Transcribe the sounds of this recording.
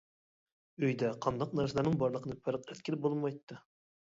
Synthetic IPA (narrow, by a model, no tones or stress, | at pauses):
øjd̪ɛqʰɑnd̪ɑq̚næɾsəlˠæɾnɨŋbɑɾlˠəqʰənɨfæɾq̚ɪɾt̪̚kʲɪlɾbolˠmɑjt̪ːɨ